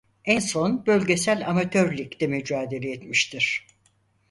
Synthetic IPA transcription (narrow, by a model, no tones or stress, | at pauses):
ænso̞nbø̞lʲɟe̞sælʲamat̪ʰøɾlʲict̪ɛmyd͡ʒaːd̪e̞lʲɛɛt̪miʃt̪ʰiɾ̥